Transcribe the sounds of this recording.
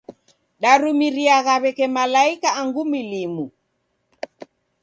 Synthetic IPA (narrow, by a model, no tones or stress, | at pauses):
ɗaɾumiɾiaɣaβɛkɛmalaikaːŋɡumilimu